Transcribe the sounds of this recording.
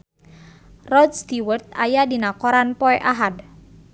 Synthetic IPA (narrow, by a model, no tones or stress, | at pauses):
rɔd̪̚st̪iwərt̪̚ajadinakoɾanpɔɛʔaɦad